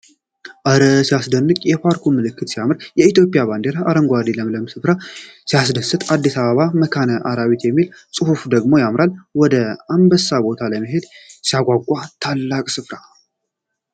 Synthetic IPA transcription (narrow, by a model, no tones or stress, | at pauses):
ʔəɾəsijasd̪ənːɨkʼjɛpʰaɾkʰumːɨlɨkʰːɨt̪sijamɨɾjɛit̪jo̞pʼijaβand̪eɾaʔːɾəŋɡʷad̪iləmləmsɨfɾasijasd̪əsːɨt̪ʼad̪ːisaβəβaməkʰanəʔaɾaβit̪jɛmːilsʼɨhufd̪əɡmo̞jamɾalwɔd̪əambəsːabo̞t̪ʰaləməɦe̞d̪sijaɡʷaɡʷʼat̪ʰalːakʼsɨfɾa